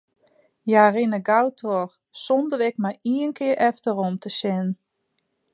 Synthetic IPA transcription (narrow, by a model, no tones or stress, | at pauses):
jarinəɡawtʰor | sɔndərɪk̚majiənkʰɪəɾʔɛftəɾomtʰəsɪnn